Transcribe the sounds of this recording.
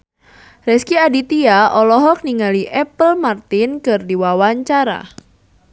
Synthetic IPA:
rɛskiadit̪iaʔɔlɔɦɔk̚niŋaliʔɛpəlmart̪ɪnkɨrdiwawaɲt͡ʃaɾa̰

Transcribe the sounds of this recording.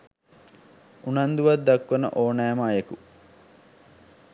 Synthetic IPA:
unand̪uʋad̪d̪ːakʋənə̰ʔoːnæːməaːjeku

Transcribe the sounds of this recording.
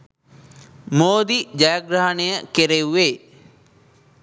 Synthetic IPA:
moːd̪id͡ʑajɐɡɾaɦɐnejəkeɾewːeː

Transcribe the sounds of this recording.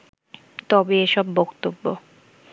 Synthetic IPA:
t̪ɔbeeʃɔbːɔkt̪obːo

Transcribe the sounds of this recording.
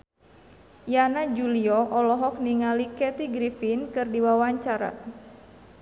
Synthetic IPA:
janad͡ʒuliɔʔɔlɔɦɔk̚niŋalikɛt̪iɡɾifinkɨrdiwawaɲt͡ʃaɾa̰

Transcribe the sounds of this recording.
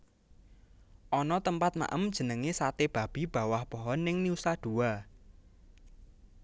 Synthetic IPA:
ʔɔnɔt̪əmpat̪̚ma̰ʔəmd̥ʒ̥ə̤nəŋesat̪eb̥a̤b̥i̤b̥ä̤wahpɔɦɔnːɪŋniusad̪̥ua

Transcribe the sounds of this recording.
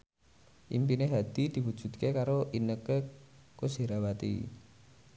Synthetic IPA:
ʔḭmpineɦad̪̥i̤d̪̥i̤wud̥ʒ̥ṳd̪̚kekaɾoʔinəkəkoseɾawat̪ḭ

